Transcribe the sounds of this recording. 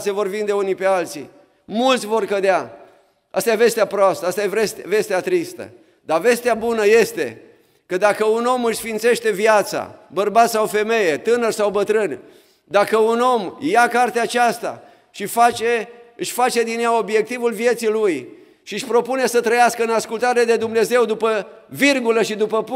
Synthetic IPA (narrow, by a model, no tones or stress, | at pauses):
sevo̞rvind̪e̞unipe̞alt̪sḭ | mult̪sʲvo̞rkəd̪ea | a̰st̪ajeve̞st̪eapɾoast̪əast̪ajevɾest̪ve̞st̪eat̪ɾist̪ə̰ | d̪ave̞st̪eabunəje̞st̪e̞̰ | kəd̪akəuno̞mɨʃsfint̪se̞ʃt̪e̞vjat̪sa̰bərbat̪sawfe̞me̞je̞t̪ɨnərsawbət̪ɾɨn | d̪akəuno̞mjakart̪eaːt͡ʃast̪a̰ | ʃifat͡ʃe̞ɨʃʲfat͡ʃe̞d̪injao̞bje̞k̚t̪ivulvje̞t̪siluj | ʃiɨʃpɾo̞pune̞sət̪ɾəjaskəɨnaskult̪aɾed̪e̞d̪umne̞ze̞wd̪upə | virɡuləʃid̪upəp